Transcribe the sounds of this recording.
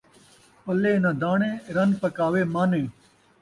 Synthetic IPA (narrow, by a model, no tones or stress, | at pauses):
pɐleːnãːd̪aːɳẽːɾɐnpɐkaːʋeːmaːnẽː